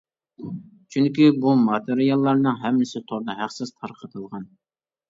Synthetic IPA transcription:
t͡ʃʰyŋkʲibumɑt̪ɨɾɪjɑlˠːɑɾnɨŋɦɛmːɪsɪt̪ʰoɾd̪ɑɦæχsɨst̪ʰɑɾqʰət̪ʰəlˠʁɑn

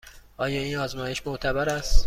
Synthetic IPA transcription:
ʔɒːjɒːiːnɒːzmɒːjeʃmoʔt̪ʰæbæɾæst̪

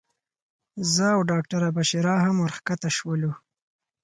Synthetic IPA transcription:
zəawɖɑk̚ʈaɾabaʃiɾɑɦamwaɾxkat̪aʃwəlu

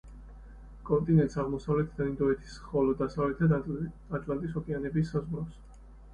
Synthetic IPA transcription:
kʼɔnt̪ʼinɛnt̪saʁmɔsavlɛt̪ʰd̪aind̪ɔɛt̪ʰi̥sχɔlɔd̪asavlɛt̪ʰad̪ | at̪ʼlant̪ʼisɔkʼɛanɛbisːazʁɾafs

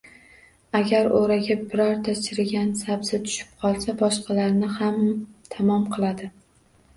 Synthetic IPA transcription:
aɡʲaɾoɾaɡʲabɪɾɒɾt̪ʰat͡ʃʰɪɾɪɡʲansabzɪt̪ʰʊ̥ʃɪ̥p̚qʰɒlˠsabɒʃqʰɑlaɾnɪhamt̪ʰamɒmqʰɨlˠad̪ɪ

